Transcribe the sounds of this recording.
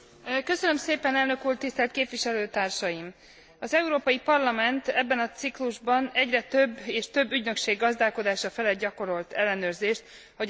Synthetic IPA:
kø̞sønømseːpɛnɛlnø̞kuːrt̪ist̪ɛlt̪̚keːpviʃɛløːt̪aːrʃɒjim | ɒzɛuɾoːpɒjipɒrlɒmɛnt̪ɛbːɛnɒt̪sikluʒbɒnɛɟrɛt̪øbːeːʃt̪ø̞bːyɟnø̞kʃeːɡːɒzd̪aːlko̞d̪aːʃɒfɛlɛɟɒko̞ɾo̞lt̪ʰɛlːɛnøːrzeːʃt̪ | ho

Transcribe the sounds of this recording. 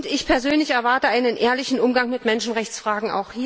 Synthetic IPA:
ntɪçpʰɛɐzøːnlɪçɛɐvaɐtəaɪnənʔeːɐlɪçn̩ʊmɡaŋmɪtmɛnʃn̩ʁɛçt͡sfʁ̥aːɡŋ̩a̰ʊxhiː

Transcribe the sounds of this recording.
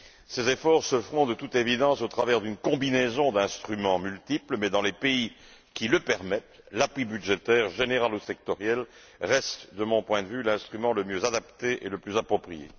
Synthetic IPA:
sezefɔʁsəfχɔ̃d̪ət̪ut̪evid̪ɑ̃sot̪χavɛʁd̪ynkɔ̃binezɔ̃d̪ɛ̃st̪χymɑ̃mylt̪ipləmɛd̪ɑ̃lepei | kʲiləpɛʁmɛt̪ | lapwibyd̪ʒet̪ɛʁʒeneʁalusɛk̚t̪ɔʁjɛl | ʁɛst̪d̪əmɔ̃pwɛ̃d̪əvylɛ̃st̪χymɑ̃ləmjøzad̪apt̪eʔeləplyzapχɔpχijḛ

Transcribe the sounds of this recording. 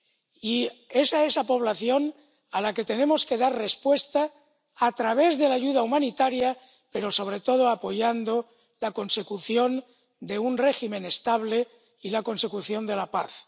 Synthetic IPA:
ie̞saesapo̞β̞laθjo̞n | alaket̪e̞nẽ̞moske̞ðaɾre̞spwe̞st̪aː | t̪ɾaβ̞e̞zðe̞laʝuðaumãnit̪aɾja | pe̞ɾo̞so̞β̞ɾe̞t̪o̞ðoapo̞ʝand̪o | lako̞nse̞kuθjo̞n | d̪e̞unre̞ximẽ̞nest̪aβ̞le̞ | ilako̞nse̞kuθjo̞nd̪e̞lapa̰θ

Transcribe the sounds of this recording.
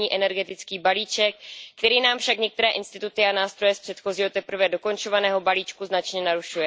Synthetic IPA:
iːʔɛnɛɾɡɛt̪ɪt͡skiːbaliːt͡ʃɛk̚kːt̪ɛɾiːnaːmfʃakɲɛk̚t̪ɛɾɛːʔɪnst̪ɪt̪ut̪ɪanaːst̪ɾo̞jɛspr̥ɛt̪xo̞ziːɦo̞t̪ɛpɾ̩vɛdo̞ko̞nt͡ʃo̞vanɛːɦo̞baliːt͡ʃkuznat͡ʃɲɛnaɾuʃujɛ

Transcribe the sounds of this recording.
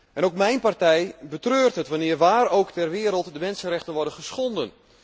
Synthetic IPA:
ʔɛnowkmɛjnpartɛjbətrøːrtɦətʋanɪərʋaːɾowktɛrʋɪəɾəlˠtdəmɛnsənrɛχtənʋɔrdənχəsχɔndən

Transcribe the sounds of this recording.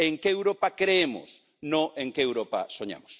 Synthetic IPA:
eŋkeewɾopakɾeemʊ̰s | nõẽŋkeewɾopa̰soɲa̰mʊs

